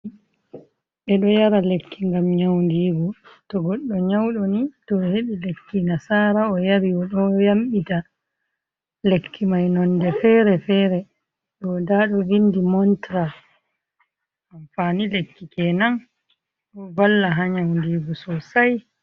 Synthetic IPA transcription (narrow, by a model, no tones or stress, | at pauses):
ɓɛɗɔjaɾalekʰːiŋɡamɲawndiːɡɔtɔɡɔɗːɔɲawɗɔnitɔheɓilekːinasaːɾaɔjaɾiɔɗɔjamɓita | lekʰːimajnɔndɛfɛɾɛfɛːɾɛ | ɗɔdaɗɔvindimɔntɾa | aɱfanilekːikɛnan | ɔbalːaɦaɲawndiːɡɔsɔsaj